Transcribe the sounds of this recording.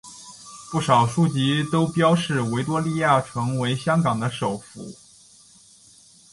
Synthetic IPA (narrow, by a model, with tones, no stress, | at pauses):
pu˥˩ʂɑ˨˩ʊʂu˥˩t͡ɕi˧˥t̪o˥ʊpjɑ˥ʊʂɻ̩˥˩we˧˥ɪt̪wɔ˥li˥˧ja˥˩ʈ͡ʂʰɤ˧˥ŋwe˧˥ɪɕjɑ˥ŋkɑ˨˩ŋd̪ə˦ʂo˨˩ʊfṵ˧˥